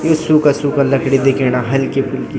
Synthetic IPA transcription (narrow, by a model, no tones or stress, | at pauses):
josukasuːkalɐkɽid̪ekʰeñaɦɐlkepʰʊli